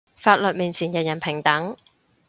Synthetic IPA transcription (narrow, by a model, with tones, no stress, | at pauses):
faː˧t̚lɵ˨t̚miː˨˩nt͡sʰiː˨˩njɐ˨˩jɐ˨˩npʰɪ˨˩ŋt̪ɐ˨˥ŋ